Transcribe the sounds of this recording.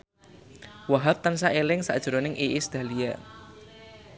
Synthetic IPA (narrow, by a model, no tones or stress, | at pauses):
waɦap̚t̪ansaʔelɪŋsa̰d̥ʒ̥ɾonɪŋʔiʔisd̪̥a̤lia̰